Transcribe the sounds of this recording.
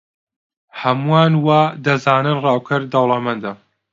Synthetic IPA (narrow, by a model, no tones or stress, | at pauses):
hɐmujaːnwaːd̪ɐzaːnɨnrɑːwkʰɨɾd̪ɐwlˠɐmɐnd̪ɐ